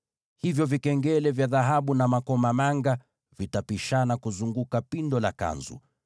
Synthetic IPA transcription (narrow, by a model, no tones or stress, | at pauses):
hivjɔvikɛŋɡɛlɛvjaðaɦaɓunamakɔmamaŋɡa | vitapiʃanakuzuŋɡukapindɔla̰ka̰nzṵ